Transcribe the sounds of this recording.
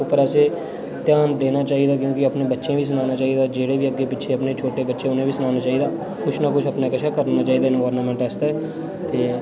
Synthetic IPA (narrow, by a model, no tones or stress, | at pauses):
ʊpːəɾəseː | t̪jaːnd̪eːnaːt͡ʃaːiːd̪aːk̬jõːkɪəpneːbətːʃẽːʋiːs̬ənaːnaːt͡ʃaːiːd̪aːd͡ʒeːɽeːʋiːəɡːeːpɪtːʃʰeːəpneːt͡ʃʰoːʈeːbətːʃẽːʊnẽːʋiːsənaːnaːt͡ʃaːiːd̪aː | kʊt͡ʃʰnakʊt͡ʃʰəpneːkəʃʰaːkəɾnaːt͡ʃaːiːd̪aːɪnʋaːɾnəmɛ̃ːɳʈɛːst̪ɛː | t̪eː